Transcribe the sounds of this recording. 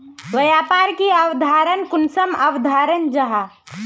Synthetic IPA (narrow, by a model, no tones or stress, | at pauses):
ʋɐjaːpaːɾkiaʋd̪ʱaːɾənkʊnsɐmɐʋd̪ʱaːɾənd͡ʒɐɦa